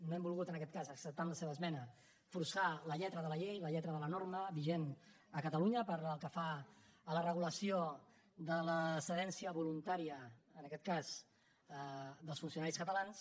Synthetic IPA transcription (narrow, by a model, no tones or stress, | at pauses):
noɛmbulˠɣut̪ənəkɛt̪̚kazəksəp̚t̪anləseβəːzmɛnə | fuɾsaləʎɛt̪ɾəðələʎejləʎɛt̪ɾəðələnorməβiʒen | əkət̪əluɲəpəɾəlˠkəfaːlərəɣuləsio | ðələsəðɛnsiəβulunt̪aɾiəənəkɛt̪̚kaz | d̪əlˠsfunsiunaɾiskət̪əlans